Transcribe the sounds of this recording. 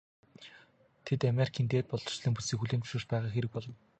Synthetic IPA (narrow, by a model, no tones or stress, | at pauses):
t̪ʰet̪ameɾʲikʰiːnt̪eːt̪̚pɔɮɞ̥̆t͡ɕɮiːŋpusiːkxuɮeːnt̪ʊ̥ʃeːt͡ɕpæːʁaːxeɾɘ̆k̚pɔɮɞ̆n